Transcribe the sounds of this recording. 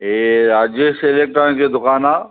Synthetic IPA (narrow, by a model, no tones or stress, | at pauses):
eɾaːd͡ʒəselek̚ʈɾãnked̪ʊkaːnaː